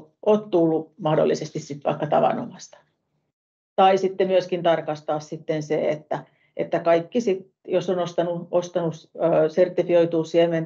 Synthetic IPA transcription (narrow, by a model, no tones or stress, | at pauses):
ʔoːt̪t̪ulːumɑhdo̰lːisest̪issit̪ʋɑ̰ikːɑt̪ɑ̰ʋɑ̰no̰mɑst̪ɑ̥ | t̪ɑisit̪ːemyøskint̪ɑrkɑst̪ɑːssit̪ːenseḛt̪ːæ | ḛt̪ːækɑikːisit̪ | josːonost̪ɑnuost̪ɑnuøːsert̪ːifioit̪uːsiemen